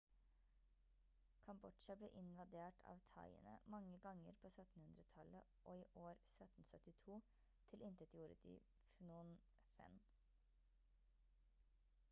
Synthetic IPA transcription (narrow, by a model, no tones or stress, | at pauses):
kʰɑmbɔʃɑblḛːʔɪnʋɑd̪eːʈʰɑ̰ːʋt̪ʰɑ̰ɪə̰nə̰mɑŋəɡɑŋːəɾpʰoːsœt̪n̩hʉnd̪ɾət̪ʰɑləʔoːiːʔoːɾsœt̪n̩sœt̪ɪt̪ʰuː | t̪ʰɪlʔɪnt̪ət̪juːɾəd̪ḭː | fnuːn | fɛ̰n